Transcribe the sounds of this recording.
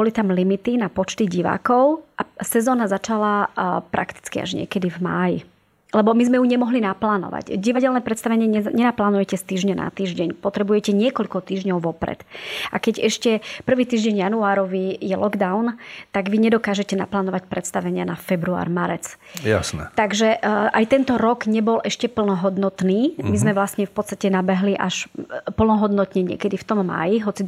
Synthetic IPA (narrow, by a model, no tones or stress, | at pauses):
bɔlit̪amlimit̪inapɔt͡ʃt̪iɟiʋa̰ːkɔʊʔasɛzɔːnazat͡ʃalapɾʔa̰kt̪i̥t͡skia̰ʒɲɪɛ̰kɛd̪ivma̰ːjḭ | lɛbɔmizmɛjuɲɛmɔɦlinaplaːnɔ̰ʋa̰ɟɟiʋaɟɛlnɛpɾɛt̪st̪aʋɛɲɪɛɛɲɛnaplaːnujɛcɛst̪iːʒɲana̰t̪iːʒɟɛɲpɔt̪ɾɛbujɛcɛɲɪɛkɔʎkɔt̪iːʒɲɔʊʋɔpɾɛ̰t̪ʔakɛɟɛʃcɛpr̩ʋiːt̪iːʒɟɛɲjanuaːɾɔʋijɛlɔɡd̪aʊnt̪aɡʋiɲɛd̪ɔkaːʒɛcɛna̰plaːnɔʋacpɾʔɛt̪st̪aʋɛɲɪanafɛbɾua̰ːɾmaɾɛt͡s | ja̰snɛ̰t̪aɡʒɛʔajt̪ɛnt̪ɔɾɔɡɲɛbɔlʔɛʃcɛpl̩nɔɦɔd̪nɔt̪niːmizmɛʋlasɲɛfpɔt̪st̪acɛnabɛɦliʔaʃpl̩nɔɦɔd̪nɔt̪ɲɛɲɪɛ̰kɛd̪ift̪ɔmːa̰ːjiɦɔt͡si